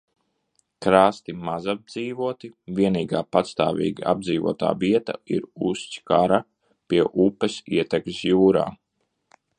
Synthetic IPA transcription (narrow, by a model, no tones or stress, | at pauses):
kɾaːst̪imazab̚d̪ziːvuɔt̪ivʲiɛniːɡaːpat̪st̪a̰ːvḭːɡa̰b̚d̪ziːvuɔt̪a̰ːviɛt̪a̰iɾusʲt͡ʃkaɾa | piɛʔupːɛsiɛt̪ɛkmsjuːɾa̰ː